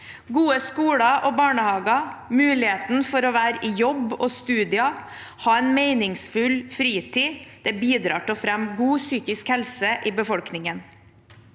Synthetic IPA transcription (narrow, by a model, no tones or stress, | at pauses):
ɡuːəskuːɽɑʔɔbɑːɳəhɑːɡɑmʉːlɪheːt̪n̩fɔɾɔʋæːɾəʔijɔbːɔst̪ʉːd̪ɪɑ | hɑːɛɪnmeɪnɪŋsfʉlfɾiːt̪ʰiːd̪̥ɛbiːd̪ɾɑ̰ːʈəɔfɾɛmɡuːsyːkɪskhɛlsəʔiːbəfɔlknɪŋən